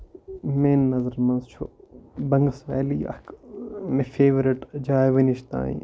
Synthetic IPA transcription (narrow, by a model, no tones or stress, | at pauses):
meːnːɐzəɾmɐ̃nzt͡ʃʰoːbɐŋɡəsʋɛ̰ːliːɐ̰kmẽfʰeːʋɾɪʈd͡ʒaːjʋɐniʃt̪ã̰ːḭ̃ː